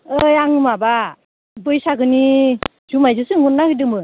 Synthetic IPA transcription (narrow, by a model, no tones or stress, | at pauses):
ɯjaŋɯmaba | bɯjsaɡɯni | zumajzɯsɯŋunːahɯjdɯmɯ